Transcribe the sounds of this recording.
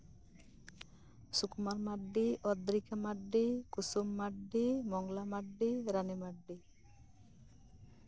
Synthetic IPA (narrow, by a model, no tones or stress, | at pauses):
sukmaɾmaɖːiʔɔd̪ɾikamaɖːikusumːaɖːimɔŋlamaɖːiɾanimaɖːi